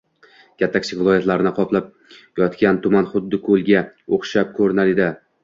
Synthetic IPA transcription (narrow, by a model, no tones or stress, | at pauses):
kʲʰat̪ʰːakʲt͡ʃʰɪkʲvɪlˠɒjat̪laɾɪnɪqʰɒplˠap̚ | jɒt̪kʲant̪ʰʊmanχʊd̪ːɪkʰɵlˠɡʲaoχʃap̚kʰɵɾnalɪd̪ɪ